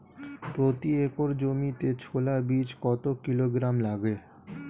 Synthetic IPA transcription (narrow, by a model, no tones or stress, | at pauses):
pɾot̪iekoɾd͡ʑomit̪et͡ɕʰolabit͡ɕkɔt̪okiloɡɾamlaɡe